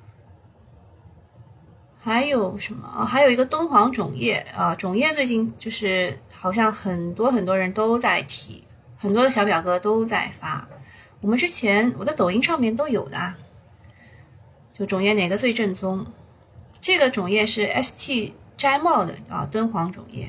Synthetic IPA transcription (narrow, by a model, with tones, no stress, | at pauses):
xa˧˥ɪjo˨˩ʊʂə˧˥nmə̰˧˥˩xa˧˥ɪjo˨˩i˧˥ɡə˧t̪wə˥nxwɑ˧˥ŋʈ͡ʂʊ˨˩ŋjɛ˥˩ə˧ʈ͡ʂʊ˨˩ŋjɛ˥˧t͡swe˥˧ɪt͡ɕi˥˩nt͡ɕjo˥˧ʊʂɻ̩˥˩xɑ˨˩ʊɕ̬jɑ˥˩ŋxə˨˩nt̪wɔ˥xə˨˩nt̪wɔ˥ɻə˧˥nt̪o˥ʊt͡sa˥˩ɪt̪ʰḭ˨˩˦ | xə˨˩nt̪wɔ˥d̪ə˧ɕjɑ˥p̬jɑ˨˩ʊkɤ˧˥t̪o˥ʊt͡sa˥˩ɪfa̰˥wɔ˨˩mə˦nʈ͡ʂɻ̩˥t͡ɕʰjɛ˧˥nwɔ˨˩də˥t̪o˨˩ʊi˥ŋʂɑ˥˧ŋmjɛ˥˩nt̪o˥ʊjo˨˩ʊd̪ə̰˦ɐ˧˩ | t͡ɕjo˥˩ʊʈ͡ʂʊ˨˩ŋjɛ˥˩ne˨˩ɡə˧t͡swe˥˧ɪʈ͡ʂə˥˩nt͡sʊ˥ŋ | ʈ͡ʂɤ˥˩ɡə˩ʈ͡ʂʊ˨˩ŋjɛ˥˧ʂɻ̩˥˩ɛ̰˥st̪ʰi˥˩ʈ͡ʂa˥ɪmɑ˥˩ʊd̪ə̰˩ɐ̰˧t̪wə˥nxwɑ˧˥ŋʈ͡ʂʊ̰˨˩ŋjɛ̰˥˩